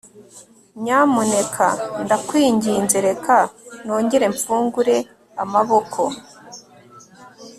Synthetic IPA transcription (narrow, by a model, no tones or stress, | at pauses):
ɲaːmune̞kʰa̰ndakwiːɲɟiːnze̞ɾe̞kʰano̞ːɲɟe̞ɾe̞ɱfuːŋɡuɾe̞ | amaβo̞kʰo̞